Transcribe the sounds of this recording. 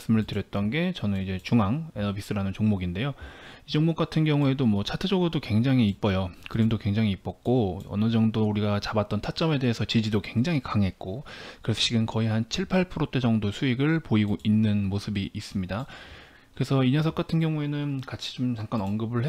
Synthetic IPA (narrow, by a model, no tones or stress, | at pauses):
s͈ɯmɯɭtɯɾjʌt̚t͈ʌnɡe̞t͡ɕʌnɯnid͡ʑe̞t͡ɕuŋaŋenʌbis͈ɯɾanɯnt͡ɕoŋmoɡinde̞joid͡ʑoŋmok͈atʰɯnɡjʌŋue̞domwʌt͡ɕʰatʰɯd͡ʑʌɡɯɾodokwe̞ŋd͡ʑaŋiːp͈ʌjokɯɾimdokwe̞ŋd͡ʑaŋiːp͈ʌk̚k͈oʌ̰nɯd͡ʑʌŋdouɾiɡat͡ɕabat̚t͈ʌntʰat͡ɕ͈ʌme̞de̞ɦesʰʌt͡ɕid͡ʑidokwe̞ŋd͡ʑaŋikaŋɦe̞t̚k͈okɯɾe̞sʰʌt͡ɕ͈ʰiɡɯmkʌiɦant͡ɕʰiɭpʰaɭpʰɯɾot͈ʰed͡ʑʌŋdosʰuiɡɯɭpoiɡoʔinːɯnmosʰɯbiʔːs͈ɯmɲida | kɯɾe̞sʰʌiɲʌsʰʌk͈atʰɯnɡjʌŋue̞nɯnkat͡ɕʰi̥d͡ʑomt͡ɕaŋk͈anʌnɡɯbɯɭɦe